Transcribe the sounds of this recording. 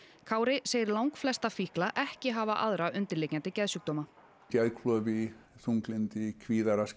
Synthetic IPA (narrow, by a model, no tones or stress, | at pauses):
kʰaːwɾɪseːjɪɾlawŋkflɛst̪afihklaʔɛhcɪɦaːvaʔa̰ðɾaʏnt̪ɪɾlejcant̪ɪcɛðsʏk̚t̪ɔːma | cɛðkʰlœːviθuŋklɪnt̪ɪkʰviːðaɾas